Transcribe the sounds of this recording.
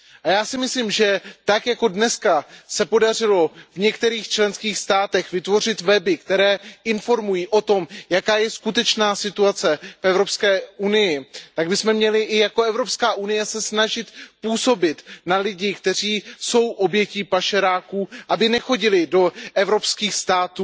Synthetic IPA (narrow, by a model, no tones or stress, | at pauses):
ʔajaːsɪmɪsliːmʒɛt̪akjako̞dnɛskasɛpo̞dar̝ɪlo̞vɲɛkt̪ɛɾiːxt͡ʃlɛnskiːxst̪aːt̪ɛxvɪt̪vo̞rɪt̪vɛbɪkt̪ɛɾɛːʔɪnfo̞ɾmujiːʔo̞t̪o̞mjakaːjɛskut̪ɛt͡ʃnaːsɪt̪uat͡sɛfɛvɾo̞pskɛːunɪjɪt̪aɡbɪsmɛmɲɛlɪʔɪjako̞ɛvɾo̞pskaːʔunɪjɛsɛsnaʒɪt̪puːso̞bɪt̪nalɪɟɪkt̪ɛr̝iːso̞wʔo̞bjɛciːpaʃɛɾaːkuːʔabɪnɛxo̞ɟɪlɪdo̞ʔɛvɾo̞pskiːxst̪aːt̪uː